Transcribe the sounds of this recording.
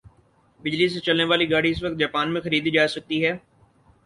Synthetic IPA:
bɪd͡ʒlis̬et͡ʃɐlneʋaːliɡaːɽiɪs̬ʋɐk̚t̪̚d͡ʒaːpaːnmẽxɐɾiːd̪id͡ʒaːsɐk̚t̪iɦɛː

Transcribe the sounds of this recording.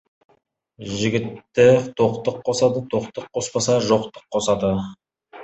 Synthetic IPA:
ʒɪɡʲɪt̪ːɪt̪ʰo̞qt̪əqʰːosɑd̪ət̪ʰo̞qt̪əqʰːo̞spɑsɑʒo̞qt̪ə̥qʰːo̞sɑd̪ə

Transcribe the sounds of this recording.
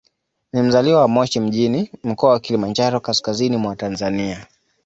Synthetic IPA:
nim̩zaliwawamɔʃim̩ʄinim̩kɔawakilimand͡ʒaɾɔkaskazinimwatanzania

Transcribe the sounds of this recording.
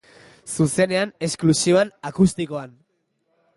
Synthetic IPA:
suse̞ne̞ane̞sklusioanakust̪iko̞an

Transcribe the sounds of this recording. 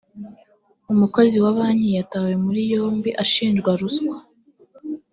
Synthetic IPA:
umuko̞ziwaβaːɲijatawe̞muɾijoːmbiʔaʃiːnd͡ʒɡwaɾuskwa

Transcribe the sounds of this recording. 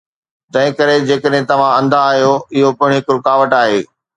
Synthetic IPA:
t̪ɐ̃ɦɪ̃kɐɾed͡ʑeːkəɗ̃ɦɪ̃t̪ɐʋ̤ãɐ̃nd̪aːɦjoɪɦopɐɪ̃ɽ̃ɦɪkɾʊkaːʋəʈaːɦeː

